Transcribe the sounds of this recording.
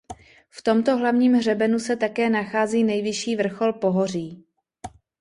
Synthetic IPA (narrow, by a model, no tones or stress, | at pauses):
ft̪o̞mt̪o̞ɦlavɲiːmɦr̝ɛbɛnusɛt̪akɛːnaxaːziːnɛjvɪʃiːvr̩xo̞lpo̞ɦo̞r̝iː